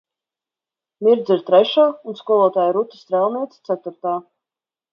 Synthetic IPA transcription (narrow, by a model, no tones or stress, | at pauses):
mʲiɾd̪zʲiɾt̪ɾɛʃaːunskuɔlˠɔːt̪aːjiɾut̪ɨ̥st̪ɾɛlˠniɛt̪st̪sæt̪uɾt̪aː